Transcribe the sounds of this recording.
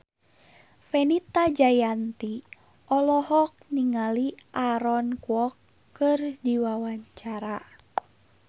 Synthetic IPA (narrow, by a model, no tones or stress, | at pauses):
fɛnit̪ad͡ʒajant̪i | ʔɔlɔɦɔk̚niŋaliʔaɾɔnkwɔkː | ɨrdiwawaɲt͡ʃaɾa